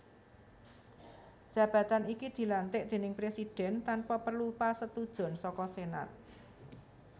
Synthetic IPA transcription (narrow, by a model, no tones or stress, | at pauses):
d̥ʒ̥ä̤b̥ä̤t̪anikid̪̥i̤lant̪ɪʔd̪̥e̤nɪŋpɾesid̥ɛ̤nt̪anpapərlupasət̪ud̥ʒ̥ɔ̤nsɔkɔsena̰t̪̚